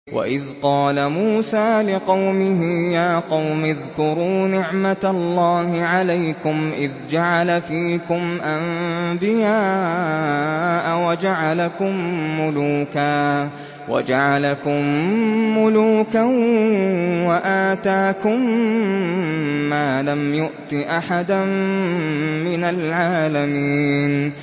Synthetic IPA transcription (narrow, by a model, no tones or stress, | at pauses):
wʔa̰ʔɪðqɑːlamuːsaːlɪqɑwmɪɦɪjaːqɑwmɪðkʊɾuːnɪʕmat̪alˤːɑːhɪʕalajkʊmʔɪðd͡ʒaʕalafiːkʊmʔambɪjaː | ʔawad͡ʒaʕalakʊmːʊluːkaː | wa̰d͡ʒaʕalakʊmː | ʊluːka | waʔaːt̪aːkʊm | aːlamjʊʔt̪ɪʔaħad̪an | mɪnalʕaːlamiːn